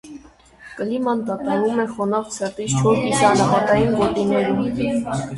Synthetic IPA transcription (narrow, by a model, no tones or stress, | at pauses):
kəlimɑnd̪ɑt̪ɑɾumɛχɔnɑft͡sʰɛrt̪ist͡ʃʰɔɾk̪isɑnəɦɑt̪ɑjinvɔt̪inɛɾum